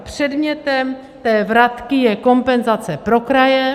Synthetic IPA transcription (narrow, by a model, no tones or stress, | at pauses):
pr̝̥ɛd̪mɲɛt̪ɛm | t̪ɛːvɾat̪kɪjɛko̞mpɛnzat͡sɛpɾokɾajɛ